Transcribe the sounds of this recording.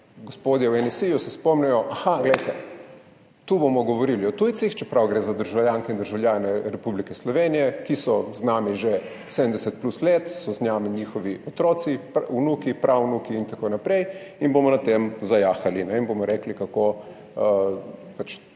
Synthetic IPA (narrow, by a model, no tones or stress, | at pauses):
ɡospoːd̪jɛwɛnɛsijusɛspɔmnɛjɔʔaxaɡlɛjt̪ɛ | t̪ubomɔɡɔʋɔɾiliɔt̪ujt̪sixt͡ʃɛpɾawɡɾeːzad̪əɾʒawljaːŋkɛind̪əɾʒawljaːnɛɾɛpublikɛslɔʋeːnijɛkisɔznaːmiʒe | sɛd̪ənd̪ɛsɛt̪̚plusleːt̪sɔznjamiɲiːxɔʋiɔt̪ɾoːt̪sipunukipɾʔawnukiːnt̪akonapɾej | inbomɔnat̪emzajaːxalinɛinbomɔɾɛklikakoː | pat͡ʃ